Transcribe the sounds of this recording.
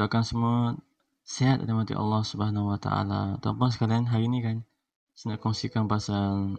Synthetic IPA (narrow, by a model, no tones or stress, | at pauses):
akansəmua | seat̪a̰damat̪ḭʔɑ̰lːɑhsubəɦanauwat̪a̰a̰la̰ːt̪aupʊns̬ə̥kalianɦaɾiːnikan | sənaʔkɔŋsikanpasan